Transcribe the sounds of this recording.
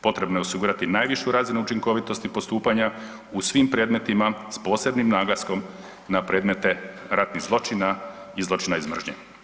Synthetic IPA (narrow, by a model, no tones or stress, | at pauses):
po̞t̪ɾe̞bnojeo̞siɡuːɾat̪inaːjʋiʃuɾaːzinuut͡ʃiŋko̞ʋit̪o̞st̪ipo̞st̪uːpaɲa | usʋimpɾe̞ːd̪me̞t̪imaspo̞ːse̞bnimnaːɡlˠasko̞m | napɾe̞ːd̪me̞t̪e̞ɾat̪niɣzlˠo̞t͡ʃinaizlˠo̞t͡ʃinaizmr̩ʒɲḛ